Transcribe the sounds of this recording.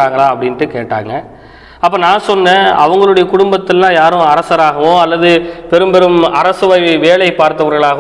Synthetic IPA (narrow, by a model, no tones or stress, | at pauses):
aːŋɡɐɭãːɐpːɐɽɪnʈːɯkeːʈːa̰ːŋɡɐ | ɐpːɐːnãːsɔnːẽːɐ̰ʋɐŋɡɐɭɯɽɐjɐkʊɽʊmbɐt̪ːɪlːãːjaːɾʊ̃ɐɾɐsɐɾaːɣɐʋõːɐlːɐðɯpɛɾɯmpɛɾɯmɐɾɐsɯʋɐɪʋeːɭɐɪpːaːɾt̪ɐʋɐɾɣɐɭaːɣɐ